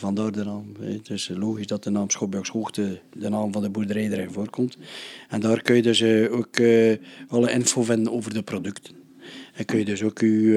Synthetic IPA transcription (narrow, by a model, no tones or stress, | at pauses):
vɑndaːrdənɑːmɛ̰tɪsloːɣisdɑt̚dənɑːmsxobjɔkshoːxtədənɑːmvɑndəburdəɾɛjdəɾɛjvoːrkɔmtɛndaːrkønjədøsok | ɑlˠəʔɪnfoːvɪndənoːvərdəprodʏktən | ɛnkønjədøsoky